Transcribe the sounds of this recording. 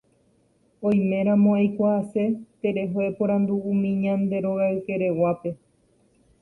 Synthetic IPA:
õj̃mẽ̞ɾ̃ãmõajkʷaase̞t̪e̞ɾe̞ɦoepõɾ̃ãnd̪uũmĩɲãnd̪e̞ɾo̞ɣaɨke̞ɾe̞wape̞

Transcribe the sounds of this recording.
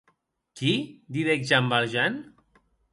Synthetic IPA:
kid̪iðek̚ʒambalʒɛn

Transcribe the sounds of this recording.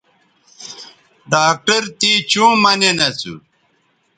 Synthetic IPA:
ɖaːk̚ʈɐɾt̪it͡ɕũːmɐnenɐt͡sṵ

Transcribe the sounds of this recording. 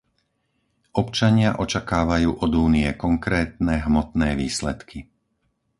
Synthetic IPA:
ʔɔpt͡ʃaɲɪaʔɔt͡ʃakaːʋajuːʔɔd̪uːniɛkɔŋkɾɛːt̪nɛɦmɔt̪nɛːʋiːslɛt̪kʰi

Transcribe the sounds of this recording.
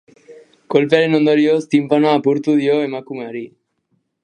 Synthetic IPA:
kolpeaɾenond̪oɾiost̪impanoapuɾt̪uðioemakumaɾi

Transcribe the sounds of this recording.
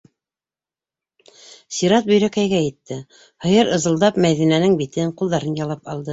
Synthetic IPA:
sʲiɾɑt̪̚bɵ̆jɾækæjɡæjɘ̆t̪ːɘ | hɤ̆jɤɾɤ̆zɤ̆lˠd̪ɑpmæðinænɘŋbit̪ɘɴqulˠðɑɾɤnjɑlˠɑpɑlˠd̪ɤ

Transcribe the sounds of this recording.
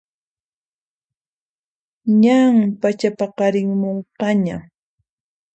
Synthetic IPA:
ɲaŋpat͡ʃapaqɑɾɪŋmoɴqɑɲa

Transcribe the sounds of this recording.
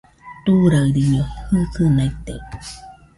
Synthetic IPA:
t̪uɾaɾiɲohɨkɨnait̪e

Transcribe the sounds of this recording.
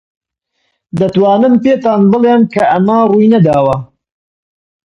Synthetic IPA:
d̪ɐt̪wɑːnɨmpeːt̪ɑːnbɨlˠemkɐʔɐmɐruːjnɐd̪aːwɐ

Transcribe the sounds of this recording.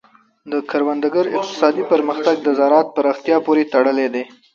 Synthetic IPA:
d̪əkaɾwand̪aɡəɾɪ̰q̚t̪ɪ̥sɑd̪ipəɾməxt̪aɡ̚d̪əzɑɾɑt̪̚pəɾɑxt̪ijɑpoɾet̪aɽəled̪e

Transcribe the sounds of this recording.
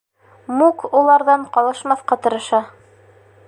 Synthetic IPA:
mukulˠɑɾðɑɴqɑlˠɤ̆ʃmɑθqɑt̪ɤ̆ɾɤ̆ʃɑ

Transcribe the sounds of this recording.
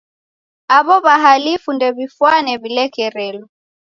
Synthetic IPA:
aβɔβaɦalifundɛβifwanɛβilɛkɛɾɛlɔ

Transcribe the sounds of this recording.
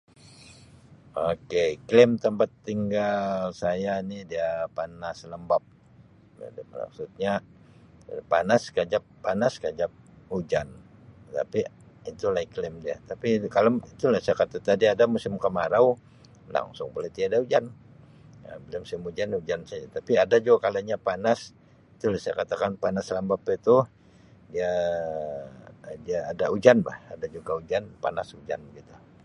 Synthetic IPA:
okeklɪmt̪əmpat̪ːiŋɡalsajanidiapanasləmbap̚ | a̰dla̰ksut̪̚ɲa | panaskad͡ʒapːanaskad͡ʒap̚ud͡ʒant̪a̰pi | it̪ulaiklɪmdia̰t̪apikaloit̪ulasajakat̪at̪adiadamusɪmkəmaɾaw | la̰ŋsʊŋbolet̪iadaud͡ʒan | abəlamusɪmud͡ʒanud͡ʒansad͡ʒat̪apiadad͡ʒuɡakalaɲapanas | it̪ulasajakat̪akanpanaslambapet̪u | dia | diaːdaud͡ʒanba̰hadad͡ʒuɡaud͡ʒanpa̰nasud͡ʒa̰nɡit̪u

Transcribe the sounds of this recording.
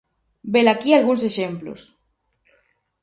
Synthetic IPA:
belakialɣunseʃemplo̰s

